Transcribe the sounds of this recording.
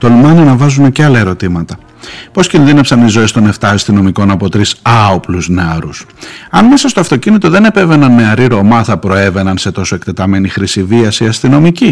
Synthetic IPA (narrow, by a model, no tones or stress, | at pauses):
t̪olumɐniɐnɐvɐzune̞ceɐlɐeɾo̞t̪imɐt̪ɐ | po̞scinðine̞psɐnizo̞e̞st̪o̞ne̞ft̪ɐːst̪ino̞miko̞nɐpo̞t̪ɾisɐo̞pluzneɐɾusɐnme̞sɐst̪oɐft̪o̞cinit̪o̞ðe̞ne̞pe̞ve̞nɐnmeɐɾiɾo̞mɐθɐpɾo̞e̞ve̞nɐnse̞t̪o̞so̞e̞kt̪e̞t̪ɐme̞nixɾisiviɐsiɐst̪ino̞mici